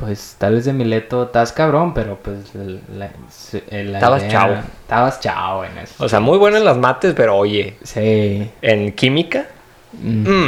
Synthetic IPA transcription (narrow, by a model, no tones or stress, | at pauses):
pwe̞st̪alβezðemile̞t̪ot̪askaβ̞ɾo̞mpe̞ɾo̞pwesla | selat̪aβaset͡ʃa̰βot̪aβast͡ʃa̰oḛnḛso̥oseamujβwe̞noenlazmat̪e̞spe̞ɾo̞oʝe̞sienkimika